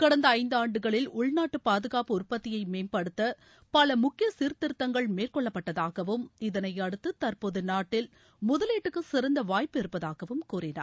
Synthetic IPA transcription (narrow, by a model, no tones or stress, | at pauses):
kɐɽɐnd̪ɐɐɪnd̪ɯaːɳɖɯɣɐɭɪlʊɭnaːʈːɯpaːðɯɣaːpɯʊrpɐt̪ːɪjɐɪmeːnpɐɽɯt̪ːɐ | pɐlɐmʊkːɪjɐsɪɾt̪ːɪɾt̪ːɐŋɡɐɭmeːrkɔɭːɐpːɐʈːɐðaːɣɐʋɯmɪðɐnɐjɐɽɯt̪ːɯt̪ɐrpoːðɯnaːʈːɪl | mʊðɐleːʈːɯkːɯsɪɾɐnd̪ɐʋaːjpɪɾɯpːɐðaːɣɐʋɯmkuːrɪnɐ̰ɾ